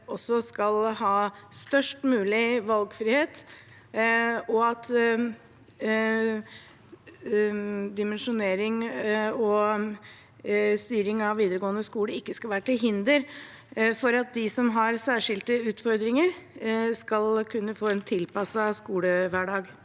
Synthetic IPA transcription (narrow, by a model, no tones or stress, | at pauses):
ɔsːɔskɑlɦɑːst̪œʂʈmʉːlɪʋɑlɡfɾɪːheːt̪ | ɔɑt̪ | d̪ɪmɛnʂʊneːɾɪŋɔ | st̪yːɾɪŋɑʋʋiːd̪əɾəɡoːənd̪əskuːləɾɪkːəskɑʋæːɾʈɪlɦɪnd̪əɾ | fɔɾɑt̪̚d̪ɪsɔmɦɑɾsæːʂɪlt̪əʉːt̪fɔɾd̪ɾɪŋəɾskɑlkʰʉnːəfoːɛːnt̪ʰɪlpɑsːɑskuːləʋæːɖɑːɡ